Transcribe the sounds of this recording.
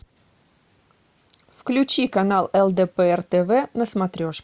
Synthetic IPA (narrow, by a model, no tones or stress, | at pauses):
fklʲʉt͡ɕikɐnalˠɛlˠd̪ɛpɛɛrt̪ɛvɛnəsmɐt̪ɾʲoʂ